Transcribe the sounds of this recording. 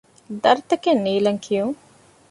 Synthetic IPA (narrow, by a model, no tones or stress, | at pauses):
d̪ɐɾt̪əkeniːlɐŋkʰijũŋ